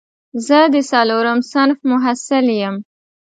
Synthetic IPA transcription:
zəd̪əsaloɾəmsanfmʊɦasɪljəm

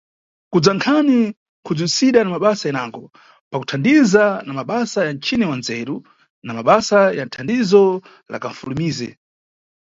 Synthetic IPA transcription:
kud͡zaŋkʰani | kʰud͡zwisiɗanamaɓasajɛnaŋɡɔ | paku̥tʰandizanamaɓasajant͡ʃʰinɛwanzɛɾu | namaɓasajan̩tʰandizɔ | la̰kaɱ̩fulumiːzɛ̰

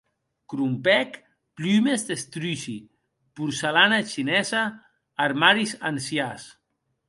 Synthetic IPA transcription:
kɾumpɛk | plymezðest̪ɾysi | puɾselanat͡ʃinɛzaː | ɾmaɾizansjas

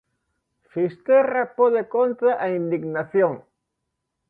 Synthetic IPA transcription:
fist̪erapoðekont̪ɾaʔaind̪iɡnaθjoŋ

